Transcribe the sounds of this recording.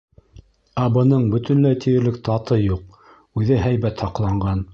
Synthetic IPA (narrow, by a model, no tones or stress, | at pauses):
ɑbɤ̆nɤɴbɵ̆t̪ɵ̆nlæjt̪ʰijɘ̆ɾlɘk̚t̪ɑt̪ɤjuq̚ | ʉðɘɦæjβæt̪hɑqlˠɑɴɢɑn